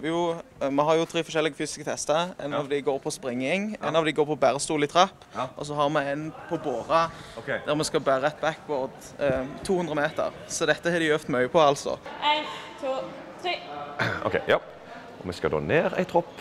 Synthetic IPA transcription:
ʋɪjʊmɛɦɑɾjʊt̪ʰɾiːfɔʁʃɛlːɪɡəfyːsɪ̥skət̪ʰɛst̪əɛ̰nɑʋd̪ɪɡoːɾpʰɔspɾɪŋːɪŋæ̰nɑʋd̪ɛɪɡoːɾpʰɔbæːɾəst̪uːlɪt̪ʰɾɑpːʔɔs̬ɔɦɑɾmɛæɪnpʰɔboːʁɑd̪æɾmɛskɑbæːɾəɛt̪̚bækːʋɔːʁd̪ | t̪ʰːuːhʉnd̪ɾəmeːt̪ə̰ɾ | sɔd̪ɛt̪ːəhɛd̪ɪjøft̪mœʏəpʰɔɑlt̪sɔ̰ɪ | ʔo̰kʰɛɪjɑ | ɔmɛskɑ̰d̪o̰ːneːɾæ̰ɪt̪ʰɾɔpː

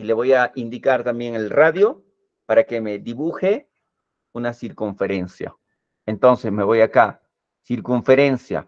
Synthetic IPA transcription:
ile̞βo̞jaind̪ikaɾt̪ambje̞ŋelraðjo̞ | paɾake̞me̞d̪iβuxe | unasiɾkuɱfe̞ɾe̞nsja̰ | ent̪o̞nsesme̞βo̞jaka | siɾkuɱfe̞ɾe̞nsja̰

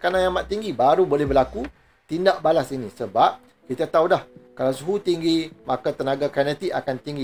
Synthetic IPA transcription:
kanãjamãt̪ːiŋɡibaɾubolɛhbəlaku | t̪indaʔbalasinĩsəbap̚ | kit̪at̪audahkalawsuɦut̪iŋɡimãkat̪ənãɡakanət̪iʔakant̪iŋɡi

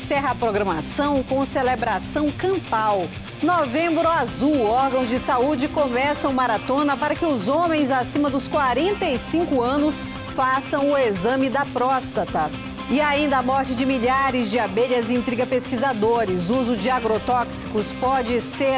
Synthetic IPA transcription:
sɛɦɐːpɾoɡɾɐmasɐ̃w̃kõw̃selebɾasɐ̃w̃kɐ̃mpaw | novẽmbɾʊazuwɔɾɡɐ̃w̃zd͡ʒɪsaud͡ʒɪkomɛsɐ̃w̃maɾat̪õnɐpaɾɐkɪʊzõmẽj̃zasĩmɐd̪ʊskwaɾẽnt̪ɐisĩŋkʊɐ̃nʊs | fasɐ̃w̃ʊezɐ̃mɪd̪ɐpɾɔst̪ɐt̪ɐ | ɪaĩnd̪ɐːmɔɾt͡ʃɪd͡ʒɪmiʎaɾɪzd͡ʒɪabeʎɐzĩnt̪ɾiɡɐpeskizad̪oɾɪzuzʊd͡ʒɪaɡɾot̪ɔksi̥kʊspɔd͡ʒɪse

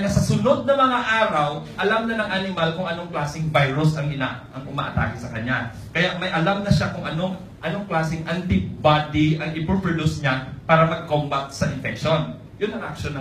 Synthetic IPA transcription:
ŋɐsɐsʊno̞d̪̚nɐmɐŋaʔaːɾɐwʔɐlamnɐnɐŋʔɐnɪmalkʊŋʔɐno̞ŋklaːsɪŋvajɾʊsʔɐŋʔɪnaʔʔɐŋʔʊma̰ʔɐt̪a̰ːhɪsɐkɐɲa | kɐjaʔmɐjʔɐlamnɐʃakʊŋʔɐnoŋ | ʔɐno̞ŋklaːsɪŋʔant̪ɪbad̪ɪʔɐŋʔɪpopɹɛd̪usɲapaːɾɐmɐɡ̚kombat̪̚sɐʔɪnfɛk̚ʃo̞n | jʊnːɐŋʔɐk̚ʃonɐ

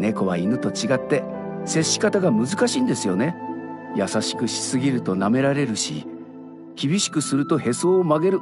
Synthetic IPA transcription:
ne̞ko̞βainɯ̟t̪o̞t͡ɕiɡat̪ːe̞ | se̞ɕi̥kat̪aɡamɯzɨkaɕĩːnd̪e̞sɨjo̞ne̞jasaɕi̥kɯ̟ɕi̥sɨɡʲiɾɯ̟t̪o̞name̞ɾaɾe̞ɾɯ̟ɕḭ | kʲibʲiɕi̥kɯ̟sɨɾɯ̟t̪o̞he̞so̞ːmaɡe̞ɾɯ̟

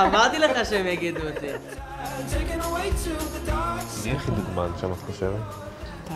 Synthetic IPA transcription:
amaʁt̪ileχaʃeemjaɡid̪uot̪i | tʰeɪkɪ̃nəweɪθɹuðədaaniaχid̪uɡmanʃamat̪koʃeʁet

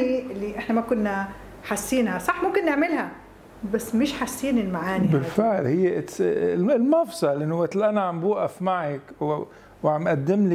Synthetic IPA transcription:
ilːiʔɪħnamakʊnːa | ħasːiːnhasˤɑħmʊmkɪnːɪʕmɪlhæ | basːmɪʃħasːiːnɪlmaʕaːnibɪlfɪʕlhɪjːeʔ | lmɑfsˤɑlʔɪnːʊwat̪lʔanaʕambuːʔafmaʕak | wʕamʔad̪ːɪmli

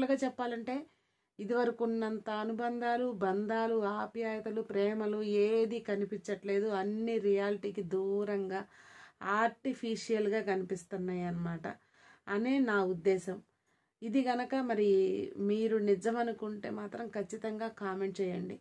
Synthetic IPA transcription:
luɡaːt͡ʃɛpːaːlɐɳʈe̞ː | id̪iʋɐɾɐkunːɐnt̪ɐɐnubɐnd̪ʱaːlubɐnd̪aːluaːpjaːjɐt̪ɐlupɾɛːmɐlueːd̪ikɐnipiɲt͡ʃːɐʈle̞ːd̪uɐnːiɾijaːliʈiːkid̪uːɾɐŋɡaːaːɾʈipʰiʂijɐlɡaːkɐnipist̪unːaːjɐnːɐmaːʈɐ̰ | ɐneːnaːud̪ːɛːsɐm | id̪iɡɐnɐkɐmɐɾimiːɾunid͡ʒɐmɐnukuɳʈḛːmaːt̪ɾɐmkʰɐt͡ʃːit̪ɐŋɡaːkaːme̞ɳʈ̚t͡ʃɛːjɐɳɖi

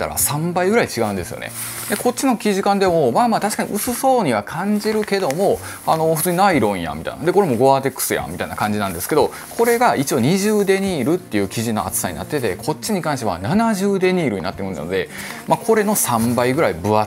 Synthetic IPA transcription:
t̪ːa̰ɾa̰sãmbaiɡɯ̟ɾait͡ɕiɡaɯ̟̃nd̪e̞sɨjo̰nḛ | d̪eko̞t̚t͡ɕːinokʲiʑikãnd̪e̞mo̞maːmaːt̪aɕi̥kaɲ̟ḭʔɯ̟sɨso̞ːɲ̟iβakʰãɲ̟d͡ʑiɾɯ̟ke̞d̪o̞mo̞ | ano̞ɸɯ̟t͡sɨːɲinaiɾõ̞ja̰mʲit̪a̰ḭna̰d̪eko̞ɾe̞mo̞ɡo̞at̪e̞kɯ̥sɨja̰mʲit̪aina̰kãɲ̟d͡ʑinãnd̪e̞sɨ̥ke̞d̪o̞ | kʰo̞ɾe̞ɡait͡ɕio̞ɲ̟iʑɨːd̪e̞ɲ̟iːɾɯ̟t̪ːe̞jɯ̟ːkʲiʑino̞̰a̰t͡sɨ̥saɲ̟ḭna̰t̪ːe̞t̪e̞kʰo̞t͡ɕːiɲ̟ikãɰ̃ɕ̬t̪e̞a̰nanaʑɨːd̪e̞ɲ̟iːɾɯ̟ɲ̟ḭna̰t̪ːekɯ̟na̰no̞d̪e | makʰo̞ɾe̞no̞sãmbaiɡɯ̟ɾaibɯ̟a

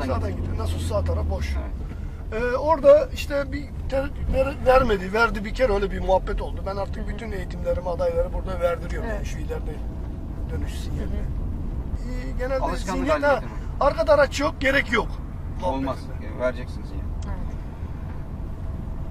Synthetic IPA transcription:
saːd̪anɟit̪ʰːnasusaːt̪ʰaɾafboʃ | ɛo̞ɾd̪aiʃt̪ʰɛbi | t̪ʰɛvɛɾvæɾmed̪ivæɾd̪ibicʰɛɾøjlʲɛbimuɦabːɛt̪o̞lˠd̪ubænaɾt̪ʰɯk̚byt̪ʰynejit̪ʰimlʲe̞ɾimad̪ajlˠaɾɯbuɾd̪avæɾd̪iɾijommjanʃejlʲæɾd̪ɛ | d̪̥ø̞nyʃsinjɛlɛ | ɟenælɛiɛhɛaɾkad̪aɾat͡ʃʰjok̚ɟe̞ɾɛcjok | ɾd͡ʒɛks

